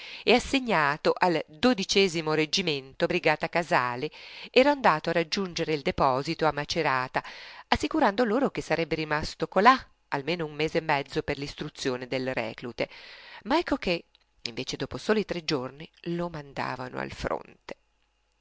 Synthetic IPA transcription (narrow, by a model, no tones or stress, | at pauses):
easːeɲːaːt̪oʔald̪od̪it͡ʃɛːzimoɾed͡ʒiment̪obɾiɡaːt̪akazaːleɛːɾaːnd̪aːt̪oarad͡ʒːund͡ʒeɾeild̪epɔːzit̪oamːat͡ʃeɾaːt̪aasːikuɾand̪oloːɾok̟esːaɾɛbːeɾimast̪okola | almeːnoumːeːzeːmːɛd̪zːoperlist̪ɾut̪sːjoːned̪elrɛ̰ːklut̪emaɛkːok̟e | iɱveːt͡ʃed̪ɔːposoːloit̪ɾed͡ʒːornilomand̪a̰ːva̰no̰a̰lfɾo̰nt̪e̥